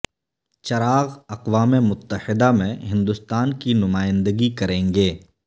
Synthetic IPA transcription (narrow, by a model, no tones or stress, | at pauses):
t͡ʃɐɾaːɣɐqwaːmemʊt̪ːəhɪd̪amẽɦɪ̃nd̪ʊst̪aːnkinʊmaːɪ̃nd̪əɡikɐɾẽːŋɡeː